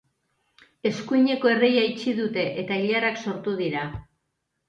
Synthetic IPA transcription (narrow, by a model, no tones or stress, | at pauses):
e̞skuiɲe̞ko̞e̞rejait͡ʃiðut̪e̞ʔet̪aiʎaɾakso̞ɾt̪uð̞iɾa